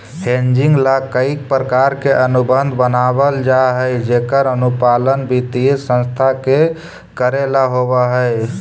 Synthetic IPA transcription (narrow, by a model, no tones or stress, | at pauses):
hend͡ʒiŋɡlakəik̚pɾəkaɾkeʔənubənd̪ʱbənabəld͡ʒaɦəjd͡ʒekəɾənupalənbit̪isə̃nst̪ʰake | kəɾelaɦoβəɦəj